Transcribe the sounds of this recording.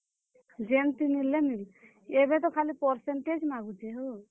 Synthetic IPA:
d͡ʒent̪inilːenil | ebɛt̪ɔkʰalipɔɾsenʈed͡ʒmaɡud͡ʒɛɦo

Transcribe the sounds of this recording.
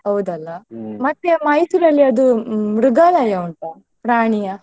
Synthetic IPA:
ɦɐwd̪ɐlːɐmɐt̪ːemɐjsuɾɐlːiɐd̪uɾuɡaːlɐjɐuɳʈa | pɾaːɳijɐ

